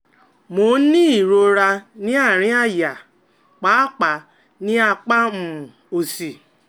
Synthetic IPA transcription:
mo˨˦nĩ˦i˨ɾo˧ɾa˧nĩ˦a˦˨ɾ̃ĩ˦a˦˨ja˨ | k͡pa˨˦k͡pa˨ | nĩ˦a˧k͡pa˦m̩˨ | o˨si˨

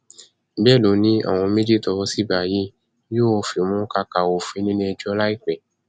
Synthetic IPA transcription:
bɛ˦˨lo˨nĩ˦a̰˦˨w̃ɔ̃˧mĩ˦di˦tɔ˧wɔ˧˦si˦ba˨ji˦ | jo˦o˧˨fi˨mũ˦ka˧˦ka˨wo˨fi˨˦nĩ˦nĩ˧ɛ˧d͡ʒɔ˧˦la˦i˦˨k͡pɛ˨

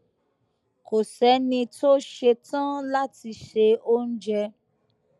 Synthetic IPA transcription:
ko˨sɛ˨˦nĩ˧to˦ʃe˧tã˦la˦ti˧ʃe˧o˦n̩˦d͡ʒɛ˧

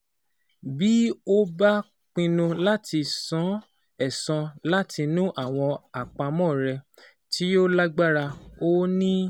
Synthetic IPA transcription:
bi˦o˦ba˦ | k͡pĩ˧nũ˧la˦tʰi˧sɔ̃˨˦ | ɛ˦˨sɔ̃˧la˦tʰi˧nũ˦ʔa˦˨w̃ɔ̃˧a˨k͡pa˧mɔ̃˦˨ɾɛ˧ | ti˨˦o˦la˦ɡ͡ba˦ɾa˧o˦nĩ˦

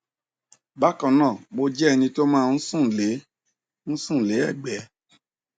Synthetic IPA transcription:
ba˦kã˨˧nãː˦˨mo˧d͡ʒɛ˦ɛ˧nĩ˧to˦mãː˦˧˦sũ˦˨le˨˦ | ñ̩˦sũ˦˨le˨˦ɛ˦˨ɡ͡bɛ˨˦

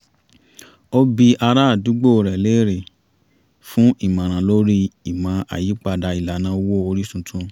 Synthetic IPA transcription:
o˦bi˧ʔa˧ɾa˦a˦˨du˨˦ɡ͡bo˦˨ɾɛ˨le˨˦˨ɾe˨ | fũ˦ʔi˦˨mã˨ɾ̃ã˨lo˦ɾi˦i˨mã˨˧ʔa̰˨ji˨˦k͡pa˧da˧i˨la˨nã˨˦wo˦o˧ɾi˦sũ˧tʰũ˧

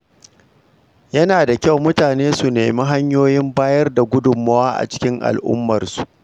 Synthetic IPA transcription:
jɐ˦naː˨da˨kʲa˦wmʊ˦taː˨neː˦su˨nḛː˨mi˦ɦa˦ɲjoː˦jɪ˦mbaː˦jɐ˦rda˨ɡʷʊ˦dʊ˨mːɐ˦waː˦ʔa̰˨t͡ʃɪ̥˦kʲɪ˦ŋʔa̰˨lʔʊ̰˦mːɐ˨rsu̥˨ʔ

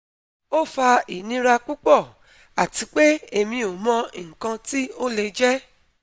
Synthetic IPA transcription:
o˦fa˧i˨nĩ˨˦ɾa˧k͡pu˦k͡pɔ˦˨ | a˨ti˨˧˦k͡pe˦e˨mĩ˧o˨mɔ̃˧ŋ̩˨kã˧ti˦o˦le˧d͡ʒɛ˦

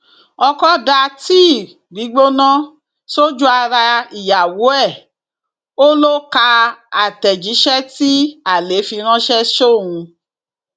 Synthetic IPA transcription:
ɔ˧kɔ˦da˧ti˦˨ | bi˨˦ɡ͡bo˦nã˦ | so˦d͡ʒu˦a˧ɾa˧i˨ja˨wo˨˦ɛ˦˨ | o˦lo˦ka˧a˨tɛ˨d͡ʒi˨˦ʃɛ˦ti˦a˨le˨˦fi˧ɾ̃ã˦ʃɛ˦ʃo˦˨ũ˧

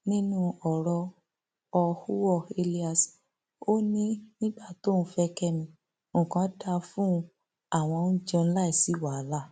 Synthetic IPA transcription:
nĩ˦nũ˦˨ɔ˨ɾɔ˧ | ɔ˧hu˦wɔ˦˨e˧li˦a˨s | o˦nĩ˦nĩ˦ɡ͡ba˦˨to˦˨n̩ũ˦fɛ˧kɛ˦mĩ˧ | mõ˨kã˨˦da˧fũ˦˧ | a˦˨w̃ɔ̃˧nũ˦d͡ʒɔ̃˧ñ̩˦la˦i˦˨si˨˦˨wa˨˦la˦

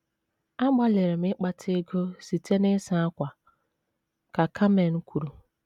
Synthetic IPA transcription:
a˦ɡ͡ba˦le˨ɾe˨m̩˦ɪ˦k͡pa˦tʰɪ˦ɡo˦si˨te˦nɪ˦sa˦a˦kʷa˨ | ka˨kʰa˦me˨n̩˦kʷʰu˨ɾu˨

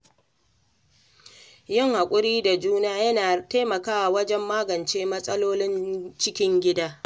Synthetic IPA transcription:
jɪ˦˨ŋha˨kʷʼʊ˦ɾiː˦da˨d͡ʒuː˦naː˦jɐ˦naː˨ta˦mɐ˨kaː˦wa˨wɐ˦d͡ʒɛ˦mːaː˦ɡɐ˨nt͡ʃeː˦mɐ˦sʼɐ˦loː˦lɪ˦nt͡ʃɪ˦kʲɪ˦ŋɡʲɪ˦daː˦

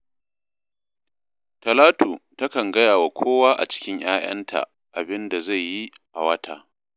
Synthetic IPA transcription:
tɐ˨laː˦tuː˨tɐ˦kɐ˨ŋɡɐ˦jaː˨wa˨kʷʰoː˦waː˦ʔa̰˨t͡ʃɪ̥˦kʲɪ˦ɲj̰aː˦j̰ɐ̰˦ntʰa̰˨ | ʔa˨bɪ˦nda˨za˦˨jːi˦ | ʔa˨wɐ˦tʰa̰ː˦˨

